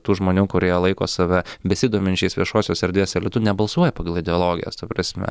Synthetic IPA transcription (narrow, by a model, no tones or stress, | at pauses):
t̪uːʒmoːnʲuːkʊɾʲiːɛlˠɐɪko̰ːsɐʋʲɛbʲɛsʲiːd̪uɔmʲɪnʲt͡ʃʲɛɪsʋʲiɛʃoːsʲoːsɛɾʲd̪ʲʋʲiɛsɪɾlʲɪt̪ʊnʲɛbɐlˠsuɔjɛpɑːɡɐlˠɪd̪ʲɛolˠoːɡʲɪ̰jo̰ːst̪ɐpɾɑsʲmʲɛ̰